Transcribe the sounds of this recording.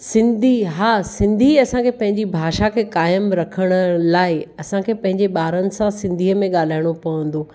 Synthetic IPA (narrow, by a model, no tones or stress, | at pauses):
sɪ̃nd̪ʱiɦaːsɪ̃nd̪ʱiɐsãkʰeːpɐ̃ɦɪ̃ɲd͡ʑibʱaːʃakʰeːkaːjəmɾɐkʰəɽ̃ʊlaːɪɐsãkʰeːpɐ̃ɦɪ̃ɲd͡ʑeɓaːɾənɪ̆sãsɪ̃nd̪ʱiːəmẽɠaːl̤aːɪɽ̃opɐʋə̃nd̪oː